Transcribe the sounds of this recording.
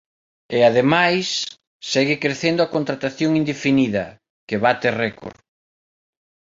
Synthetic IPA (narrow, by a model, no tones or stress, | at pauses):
eaðemajsː | ɛɣɪkɾeθend̪ʊakont̪ɾat̪aθjoŋind̪efiniðɐ̰ | keβat̪erɛkʰo̰ɾ